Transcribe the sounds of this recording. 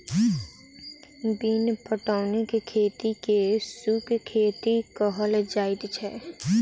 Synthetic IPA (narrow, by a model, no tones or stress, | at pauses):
biːnpəʈaːʊnekekʰeːt̪ikesukkʰeːt̪ikɔɦəld͡ʒaːɪd̪t͡ʃʰɛ